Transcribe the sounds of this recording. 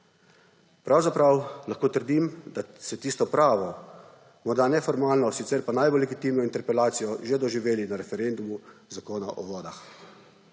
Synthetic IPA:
pɾawzapɾawlaxkoːt̪əɾd̪imd̪asɛt̪iːst̪ɔpɾaːʋɔ | mɔɾd̪anɛfɔɾmaːlnɔsit̪sɛɾpanajbɔlːɛɡit̪iːmnɔint̪ɛɾpɛlaːt̪sijɔʒed̪ɔʒiʋeːlinaɾɛfɛɾend̪umuzakoːnaʔɔ̰ʋɔːd̪ax

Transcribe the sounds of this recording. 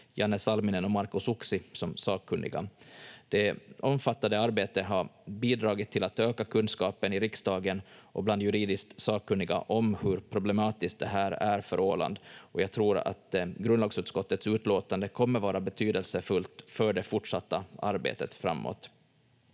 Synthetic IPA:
jɑnːəsalmɪnɛnɔmaɾkʊsʊksɪsɔmsɑːkkʰːɵnd̪ɪ̰ɡa̰d̪̥ɛɔmfat̪ːand̪əaɾbeːt̪əɦaɾbiːd̪ɾɑːɡɪt̪ʰːɪlat̪øːkakʰɵnskɑːpənɪɾɪksd̪ɑːɡənʔɔbland̪jɵɾiːd̪ɪskt̪sɑːkkʰːɵnːɪɡa̰ʔɔmhɵɾpʰɾʊblɛmɑːt̪ɪsk̚d̪ɛɦæːɾæɾfœɾoːla̰nd̪ɔjɑːɡ̚t̪ʰɾuːɾa̰t̪ɡɾɵnd̪lɑːɡsʉːt̪skɔt̪ːət̪sʉ̟ːt̪loːt̪and̪əkʰɔmːəɾvɑːɾabɛt̪ʰyːd̪əlsəfɵlt̪fœɖɛfʊʈʂat̪ːaa̰ɾbḛːt̪ət̪fɾa̰mːo̰ːt̪

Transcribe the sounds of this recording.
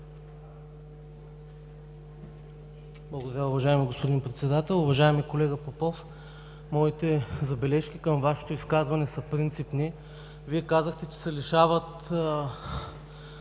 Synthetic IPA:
blˠɐɡod̪ɐɾʲjaʊvɐʒaɛmiɡospod̪inpɾɛt̪sɛd̪at̪ɛlˠʊvɐʒaɛmikolɛɡəpopof | mɔit̪ɛzɐbɛlɛʃk̟ʲikəmvaʃɛ̥t̪oiskazvɐnɛsəpɾint̪sipni | viɛkazəxt̪ɛt͡ʃɛ̥sɛliʃavət̪

